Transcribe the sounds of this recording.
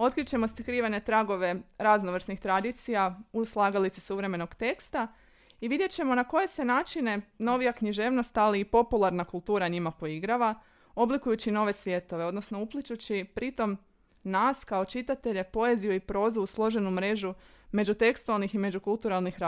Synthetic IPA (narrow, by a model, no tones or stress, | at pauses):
o̞t̪kɾit͡ɕe̞mo̞st̪kɾiːʋene̞t̪ɾaɡo̞ʋe̞ɾaznoʋr̩snixt̪ɾad̪it̪sijauslˠaɡalit̪sisuʋɾe̞me̞no̞ɡt̪e̞kst̪a | iʋid̪je̞t͡ɕe̞monako̞je̞se̞naːt͡ʃine̞no̞ʋijakɲiʒe̞ːʋno̞st̪aliːpo̞pulˠaɾnakulˠt̪uːɾaɲimapo̞iɡɾaʋa | o̞blikujut͡ɕino̞ʋe̞sʋje̞t̪o̞ʋe̞o̞d̪no̞sno̞uplˠit͡ʃut͡ɕipɾit̪o̞m | naskao̞t͡ʃit̪at̪e̞ʎe̞po̞e̞zijuipɾo̞ːzuuslˠo̞ʒe̞numɾe̞ʒume̞d͡ʒut̪e̞kst̪ualˠnixime̞d͡ʒukulˠt̪uɾalˠnixɾa